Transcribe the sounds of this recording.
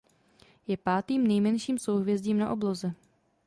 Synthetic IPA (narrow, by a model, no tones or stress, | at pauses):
jɛpaːt̪iːmnɛjmɛnʃiːmsowɦvjɛzɟiːmna̰ʔo̞blozɛ